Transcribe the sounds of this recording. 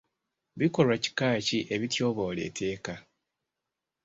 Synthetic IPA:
βiko̞lwaci̥kaːciʔe̞βitjo̞ːβo̞ːle̞̰ːtʰe̞ːka

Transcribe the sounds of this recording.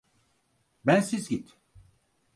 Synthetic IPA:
bænsizɟit̪

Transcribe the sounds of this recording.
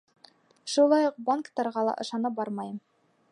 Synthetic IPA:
ʃulˠɑjuq̚baŋkt̪ɑɾʁɑlˠɑ̰ʔɤ̆ʃɑnɤp̚bɑɾmɑjɤm

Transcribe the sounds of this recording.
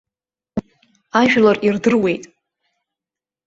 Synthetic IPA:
aʒᶣlarirdɨrwe̞jtʼ

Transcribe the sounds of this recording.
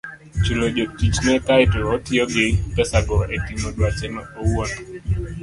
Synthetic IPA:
t͡ʃulod͡ʒotit͡ʃnɛkaɪtootioɡɪpɛsaɡɔetimodwat͡ʃɛnaowwot

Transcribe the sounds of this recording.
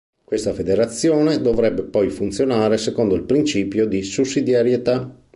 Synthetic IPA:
kwest̪afed̪eɾat̪sːjoːned̪ovɾɛbːepɔjfunt̪sjonaːɾesekond̪oilpɾint͡ʃiːpjod̪isusːid̪jaɾjet̪a

